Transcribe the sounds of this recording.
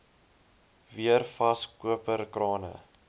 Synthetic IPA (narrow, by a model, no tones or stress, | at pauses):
viərfɐskuəpərkrɑːnə̰